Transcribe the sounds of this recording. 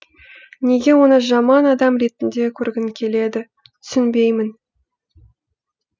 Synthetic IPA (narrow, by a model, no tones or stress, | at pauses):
ne̞ɡʲe̞wo̞nəʒɑmɑnɑd̪ɑmɾe̞t̪ɪnd̪e̞kʲʰɵɾɡʲɪŋkʲʰe̞le̞d̪ɪ | t̪ʰʏ̥sɪnbe̞jmɪn